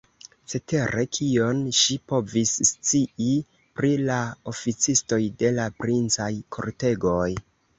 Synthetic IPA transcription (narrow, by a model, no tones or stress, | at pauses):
se̞te̞ɾe̞kʰio̞nʃipo̞visːt͡siʔi | pɾilao̞fit͡sisto̞jde̞lapɾint͡sajkʰo̞̰ɾte̞ɡo̞j